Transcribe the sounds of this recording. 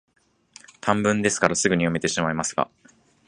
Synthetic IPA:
t̪ʰãmbɯ̟̃nd̪e̞sɨ̥kaɾasɨɡɯ̟ɲ̟ijome̞t̪e̞ɕimaimasɨ̥ɡa̰

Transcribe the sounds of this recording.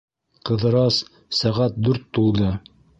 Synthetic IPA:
qɤ̆ðɤ̆ɾɑs | sæʁæt̪̚d̪ʉɾt̪ːulˠd̪ɤ

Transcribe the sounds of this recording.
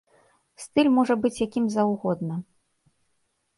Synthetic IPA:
st̪ɨlʲmɔʐɐbɨt͡sʲjakʲimzɐwɣɔd̪̚nɐ

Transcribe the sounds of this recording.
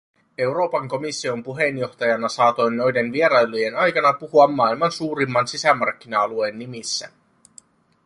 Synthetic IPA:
e̞wɾo̞ːpɑŋko̞misːio̞mpuɦe̞njo̞xt̪ɑjɑnɑsɑːt̪o̞jnːo̞jde̞nʋie̞ɾɑjlo̞je̞nɑjkɑnɑpuhuɑmːɑːilmɑnsuːɾimːɑnsisæmɑrk̟ːinɑɑlue̞nːimisːæ̰

